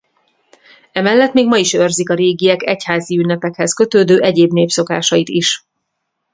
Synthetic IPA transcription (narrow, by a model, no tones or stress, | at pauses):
ɛmɛlːɛt̪meːɡmɒiʃørzikɒɾeːɡiɛkɛchaːziynːɛpɛkhɛskøt̪øːd̪øːʔɛɟeːbneːpso̞kaːʃɒjit̪iʃ